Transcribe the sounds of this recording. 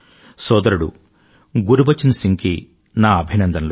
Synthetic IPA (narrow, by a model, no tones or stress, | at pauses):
sɔːd̪ɐɾuɽṵ | ɡuɾubɐt͡ʃːɐnusiŋki | naːɐbʱinɐnd̪ɐnlo